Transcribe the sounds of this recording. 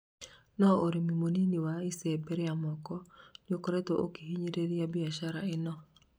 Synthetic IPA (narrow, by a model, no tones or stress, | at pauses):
nɔoɾimimoniniwaisebɛɾeamɔkɔnokoɾetoʔokiɦiɲeɾeɾjabiaʃaɾaenɔ